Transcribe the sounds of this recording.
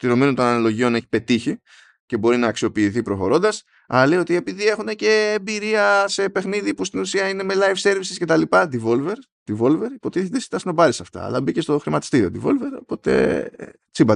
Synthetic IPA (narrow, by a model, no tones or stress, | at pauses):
t̪iɾo̞minunt̪o̞nɐnlo̞ʝio̞ne̞çi̥pe̞t̪içi | ce̞bo̞ɾinɐːksio̞piːθipɾo̞xo̞ɾo̞nd̪ɐs | ɐ̰lejo̞t̪ie̞piðie̞xune̞ce̞ːmbiɾiɐse̞pe̞xniðipust̪inusiɐine̞melɐjfse̞ɾvisisce̞t̪ɐlipɐd̪ivo̞lve̞ɾ | d̪̥ivo̞lve̞ɾipo̞t̪iθet̪est̪ɐsino̞bɐɾisɐft̪ɐ̰ɐ̰lɐbice̞st̪o̞xɾimɐt̪i̥st̪iɾio̞̰d̪ivo̞̰lve̞ɾo̞̰po̞t̪e̞̰ | t͡sibɐ